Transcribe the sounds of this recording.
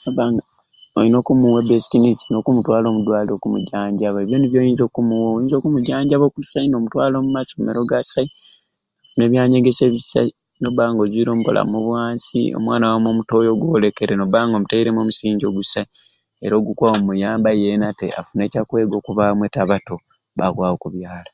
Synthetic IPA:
nobaŋɡa | oino̞ːkumuwebesi̥kinisino̞kumutwaːlo̞ːmudwaːlio̞kumṵɟaːɲɟaβaeβjoniβjo̞ːjiːnzo̞kumuwoːjiːnzo̞kumuɟaːɲɟaβokusaino̞mutwaːlo̞ːmumasomeɾo̞ɡasai | ne̞βjaːɲe̞ɡe̞se̞ːβisa̰i | no̞baːŋɡo̞ziɾo̞ːmuko̰lʔa̰moβwaːnsḭo̞̰mwaːnawamwo̞muto̞jo̞ɡwoːlekeɾeno̞baːŋɡo̞mutaiɾemomusiːɲɟo̞ɡusai | eɾo̞ːɡukwaomujaːmbajenatḛa̰fune̞ːcakwe̞ːɡo̞ːkuβamwetaβato̞ | βakwaːokuβjaːla

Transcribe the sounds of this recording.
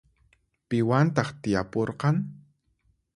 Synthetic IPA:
pɪwant̪ɑχt̪ɪjapoɾqɑŋ

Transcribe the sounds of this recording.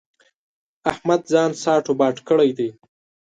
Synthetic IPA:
ahmad̪zɑːnsɑːʈobɑʈkəɽajd̪aj

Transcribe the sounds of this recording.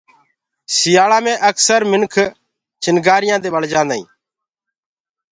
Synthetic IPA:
sɪjaːlãːmẽːʔəksəɾmɪnkʰ | t͡ʃɪnɡaːɾɪjãːd̪eːɓəɽd͡ʒãːnd̪aḭ̃ː

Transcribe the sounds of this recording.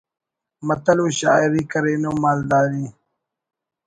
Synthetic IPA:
mɐt̪ɐloːɕaːiɾikɐɾeːnoːmaːld̪aːɾiː

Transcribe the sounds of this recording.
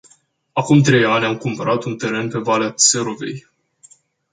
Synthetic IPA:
akumt̪ɾe̞janʲamkumpəɾat̪unt̪e̞ɾe̞npe̞valease̞ɾove̞̰j

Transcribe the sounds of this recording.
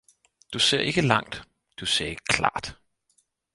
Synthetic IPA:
d̥use̝ɐ̰ʔe̝ɡ̥əlɑ̈ŋ̰d̥ | d̥useːkʰlɑ̰̈ːd̥

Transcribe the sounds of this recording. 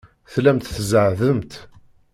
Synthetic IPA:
θlæmt̪θəzəʕðəmt̪

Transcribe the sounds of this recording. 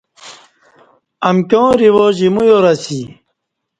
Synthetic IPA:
ɐmkʲõːɾiwoːʑimujoɾɐsi

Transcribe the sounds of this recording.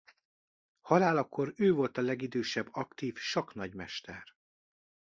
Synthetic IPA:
hɒlaːlɒkːo̞ɾøːvo̞lt̪ɒlɛɡid̪øːʃɛbːɒkt̪iːfʃɒkn̪ɒɟmɛʃt̪ɛr

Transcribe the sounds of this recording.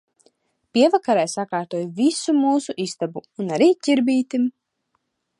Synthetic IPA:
pʲiɛvakaɾajsakaːɾt̪uɔjvisumuːsuʔist̪abuːnaɾiːc̪ʲiɾbiːt̪im

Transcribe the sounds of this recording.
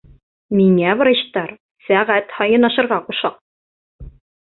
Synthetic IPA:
miŋævɤ̆ɾɤ̆ɕt̪ɑɾ | sæʁæt̪hɑjɤ̆nɑʃɤ̆ɾʁɑquʃɑq̚

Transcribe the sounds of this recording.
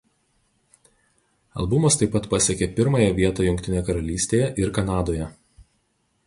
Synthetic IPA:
ɐ̰lˠbʊmɐst̪ɐɪpːɐt̪pɐsʲɛkʲepʲɪɾmɐjɛʋʲiɛt̪ɑːjʊŋʲkt̪ʲɪnʲejɛkɐɾɐlʲiːsʲt̪ʲeːjɛʔɪɾkɐnɑːd̪oːjɛ

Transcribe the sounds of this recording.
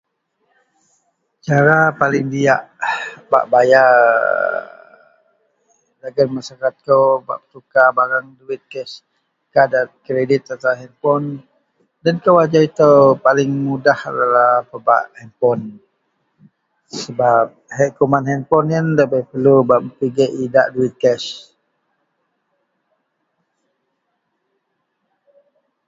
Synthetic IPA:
t͡ʃaɾapalɪŋdiaʔba̰ʔbaja | laɡənmasakat̪̚kəwba̰ʔpə̥t̪ukabaɾaŋduwit̪̚kɛs | kadat̪̚kɾedɪt̪ːat̪aaɦɛmpɔn | dənkəwad͡ʒait̪əpalɪŋmudaha̰dalahpəba̰ʔhɛnpɔn | səbap̚hɛʔkumanɦɛnpɔnənləbəjpəlubaʔməpiɡəʔidaʔduwit̪̚kɛs

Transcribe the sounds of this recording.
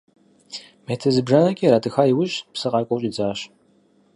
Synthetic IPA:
metʰɐzɨbʒɐnɐkʲʼiːɾaːtʰʼɨxaːjiwʊɕpsɨqɑːkʷʼɔwɕʼid͡zaːɕ

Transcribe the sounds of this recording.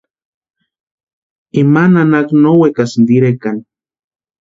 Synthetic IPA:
imananaknowekasnd̪iɾekan

